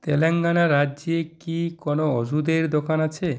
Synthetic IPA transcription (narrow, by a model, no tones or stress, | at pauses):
t̪eleŋɡanaɾːad͡ʑekikɔnoɔʃud̪eɾd̪okanat͡ɕʰe